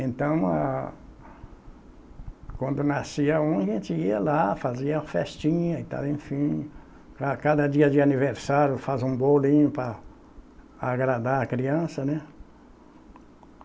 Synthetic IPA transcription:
ẽnt̪ɐ̃w̃a̰ | kwɐ̃nd̪ʊnasiɐũɐʒẽnt͡ʃɪiɐlafaziɐfɛst͡ʃĩɲɐit̪a̰lẽfĩ | kakad̪ɐd͡ʒiɐd͡ʒɪaniveɾsaɾjʊfazũbolĩɲʊpɾɐ | aɡɾad̪aɾɐkɾiɐ̃sɐnɛ

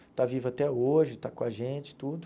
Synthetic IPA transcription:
t̪avivʊat̪ɛoʒɪt̪akõaʒẽt͡ʃɪ̥t̪ud̪ʊ

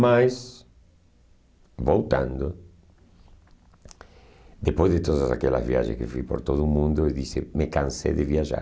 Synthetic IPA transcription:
majs | bowt̪ã̰nd̪o | d̪epojzðet̪oðasakela̰zβja̰ʒḛskefupo̰ɾt̪oðumũnd̪oeðisemekãnsḛðeβiaʒa̰

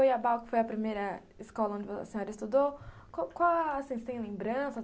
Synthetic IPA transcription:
ojɐbawkɪ̥fojɐpɾimejɾɐ | ɪskɔlɐõd͡ʒɪvɐ̰sẽɲɔɾɐist̪ud̪ow | kõkawasĩst̪ẽj̃lẽmbɾɐ̃sɐ

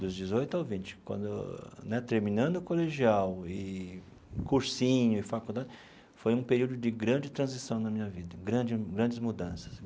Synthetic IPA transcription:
d̪ʊzd͡ʒɪzojt̪ʊawvĩt͡ʃɪ̥kwɐ̰̃nd̪ʊ̰nɛt̪eɾmĩnɐ̃nd̪ʊkoleʒiawɪ | kuɾsĩɲʊɪfakud̪ad͡ʒɪ | fojũpeɾiwd̪ʊd͡ʒɪɡɾɐ̃nd͡ʒɪt̪ɾɐ̃zisɐ̃w̃nɐmĩɲɐvid̪ɐɡɾɐ̃d͡ʒɪɡɾɐ̃nd͡ʒɪzmud̪ɐ̃sɐ̥s

